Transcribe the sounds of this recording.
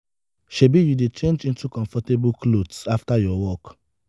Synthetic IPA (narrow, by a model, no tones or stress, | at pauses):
ʃebijudet͡ʃẽnd͡ʒĩntukɔ̃nfɔtebuklodsaftajɔwɔk